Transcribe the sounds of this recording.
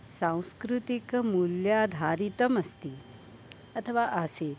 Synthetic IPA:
sãw̃skɾut̪ikmuljaːd̪ʱaːɾit̪ɐmɐst̪i | ɐt̪ʰɐʋaːʔaseː

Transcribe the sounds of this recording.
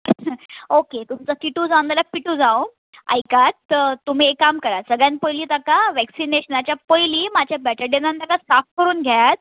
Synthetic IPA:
oket̪umt͡səkiʈuːd͡zawnd̪alapiʈuːd͡zaw | a̰jkat̪t̪ːum̤iːekːamkəɾasəɡɭjãnpəjliːt̪akaʋɛksineɕənat͡ɕjapəjliːmad͡ʑjabɛʈəɾɖenãnt̪akasafkəɾuːnɡʱjajat̪̚

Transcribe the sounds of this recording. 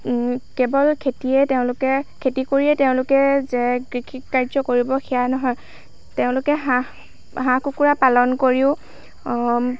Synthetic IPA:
kebɔlkʰetiɛteʊ̃lʊkɛkʰetikoɹiɛteʊ̃lʊkɛzɛɡɹixʰikkːaɹzɔkoɹibɔxʰijanɔɦɔj | teʊ̃lʊkɛɦa | ɦãkukuɹapalɔnkoɹiʊ̃

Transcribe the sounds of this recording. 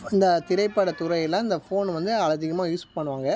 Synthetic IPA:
ɪnd̪ɐt̪ɪɾɐɪpːɐɽɐt̪ʊɾɐjɪlːãːɪnd̪ɐfoːnʋɐnd̪ɯɐlɐðɪɣɐmaːjuːspɐɳːɯʋaːŋɡɐ

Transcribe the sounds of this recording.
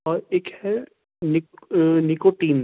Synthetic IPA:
ɔːɾeːkhɛ | nɪknikoʈiːn

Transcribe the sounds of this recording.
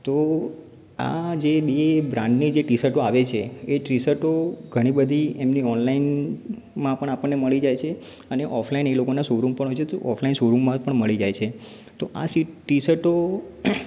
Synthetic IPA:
t̪o | a̰d͡ʒeɓebɾãɳɖnid͡ʒeʈisəʈoaʋet͡ʃʰeeʈɾisəʈoɡʱəɽ̃ibəd̪ʱiemniɔnlain | mãpəɳ̃apəɳːeməɭid͡ʒajt͡ʃʰe | əneʔɔfʰlainelokonasoɾumpəɳɦojt͡ʃʰet̪o̰ʔɔfʰlainsoɾumːmãpəɳməɭid͡ʒajt͡ʃʰe | t̪oʔa̰siʈisəʈo

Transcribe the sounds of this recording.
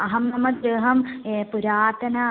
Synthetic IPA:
ɐɦɐmnɐmɐd̪ɾeɦɐmepuɾaːt̪ɐnɐ

